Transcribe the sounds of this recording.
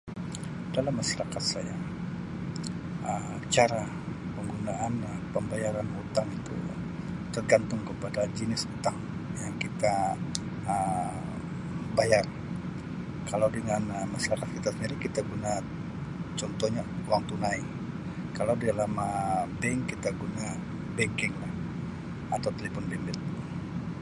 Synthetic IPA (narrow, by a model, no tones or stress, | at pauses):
d̥alamːasaɾakat̪saja | əm | t͡ʃaɾa | pəŋɡunaʔanpəmbajaɾanut̪aŋit̪ṵ | t̪ərɡant̪ʊŋkəpadad͡ʒənɪsut̪aŋ | jaŋkit̪a | ə | bajar | kalawdəŋanmasalakat̪kit̪asɲalakit̪aɡuna | t͡ʃɔnt̪ɔɲauaŋt̪unai | kalawdialamabɛŋkːit̪aɡuna | bɛŋkɪŋlah | at̪awt̪elefɔnbɛmbɛt̪̚